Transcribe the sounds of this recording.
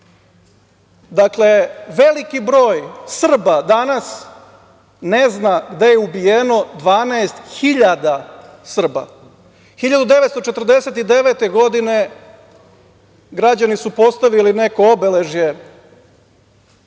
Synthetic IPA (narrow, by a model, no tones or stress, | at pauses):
d̪akle̞ʋe̞likibɾo̞ːjsr̩bad̪anas | ne̞znaɡd̪e̞jeubijeno̞d̪ʋaːnaːst̪xiʎad̪a | sr̩ba̰ | xiʎad̪ud̪e̞ʋet̪st̪o̞t͡ʃet̪r̩d̪e̞se̞t̪id̪e̞ʋet̪e̞ɡo̞d̪ine̞ | ɡɾad͡ʑanisupo̞st̪aʋiline̞ko̞obele̞ʒje̞